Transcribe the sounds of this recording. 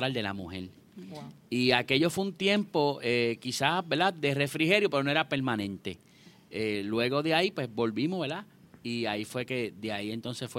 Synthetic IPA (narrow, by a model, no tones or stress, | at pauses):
ɾald̪e̞la̰muhe̞̰l | iake̞ʎo̞fweunt̪je̞mpo̞ekisabeld̪ad̪e̞re̞fɾiɦe̞ɾjopeɾonoeɾape̞ɾmãnẽ̞nt̪e̞ | elwe̞ɣo̞ðeaipwe̞sbo̞lβimoβe̞ɾd̪a | iaifwe̞ked̪eaie̞nt̪o̞nsesfwe